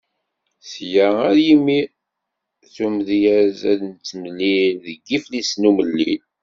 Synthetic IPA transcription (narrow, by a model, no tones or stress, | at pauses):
sjææɾjimːi | θumðjæzæðnt͡s̪ːəmliðəɡːiflisnuməlːḭn